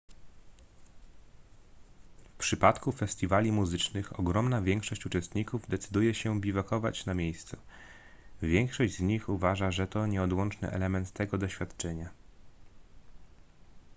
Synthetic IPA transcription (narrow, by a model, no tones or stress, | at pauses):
fpʂɘpat̪kufɛst̪ʲivalʲimuzɘt͡ʂnɘxɔ̰ɡɾɔmnavʲjɛŋkʂɔɕt͡ɕut͡ʂɛst̪ɲikuvd̪ɛt̪sɘd̪ujɛɕɛbʲivakɔva̰t͡ɕnamʲjejst̪su | vʲjɛŋkʂɔʑd͡ʑzɲixuvaʐaʐɛt̪ɔɲɛɔd̪wɔnt͡ʂnɘ̰ʔɛ̰lɛmɛnt̪ːɛɡɔd̪ɔɕfʲat̪t͡ʂɛɲa